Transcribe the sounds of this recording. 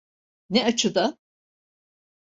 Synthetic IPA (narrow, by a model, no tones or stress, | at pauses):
nɛat͡ʃʰɯd̪a